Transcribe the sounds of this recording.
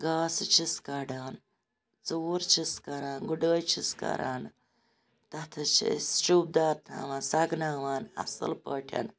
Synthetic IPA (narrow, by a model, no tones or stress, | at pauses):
ɡaːst͡ʃʰiskɐɖaːn | t͡soːɾt͡ʃʰiskɐɾaːnɡuɖəːjt͡ʃʰiskɐ̰ɾʔa̰ːn | t̪ɐt̪ʰɐt͡ʃʰḭsʃuːb̚d̪aːt̪na̰ːʋaːnsɐɡnaːʋaːnɐ̰sə̰lpəːʈʰɐ̰n